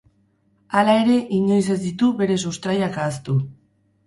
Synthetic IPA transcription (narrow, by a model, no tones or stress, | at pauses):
alaeɾe̞ʔiɲo̞js̬e̞zd̪it̪uβe̞ɾe̞sust̪ɾajakaːst̪u